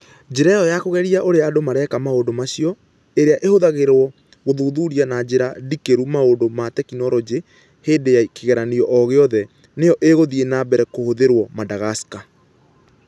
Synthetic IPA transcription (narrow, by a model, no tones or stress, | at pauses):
d͡ʒeɾɛɔjakoɣɛɾiaʔoɾeadomaɾɛkamaodomaɕiɔ | eɾeaʔehoðaɣeɾwɔ | ɣoðuːðuːɾianad͡ʑeɾadikeɾumaondomatɛkinɔɾɔd͡ʑe | heːdejakeɣɛɾaniɔʔɔɣeɔðɛ | nejɔʔeɣoðienabɛɾɛkohoðeɾwɔmadaɣaska